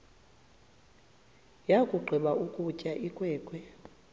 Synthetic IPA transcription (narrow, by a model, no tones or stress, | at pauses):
jakʼuɡ͡ǃʱɛɓaʔukʼucʼaʔikʼwɛːkʼwɛ